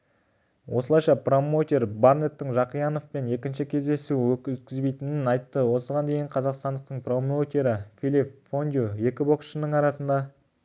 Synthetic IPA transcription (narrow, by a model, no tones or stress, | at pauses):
wʔo̞səlˠɑjʃɑpro̞mot̪ʲe̞ɾbaɾne̞t̪ːɪŋʒɑqijɑno̞fpe̞ne̞kʲɪnʃɪkʲʰe̞zd̪e̞suwɵkʲt̪̚kʲɪzbe̞jt̪ɪnɪnɑjt̪ːəwo̞səʁɑnd̪e̞jɪɴqʰɑzɑqst̪ɑnd̪əqt̪əɴpro̞mot̪ʲe̞ɾɪfʲilʲipfond̪ʲjuje̞kʲɪbo̞ksʃənəɴɑɾɑsənd̪ɑ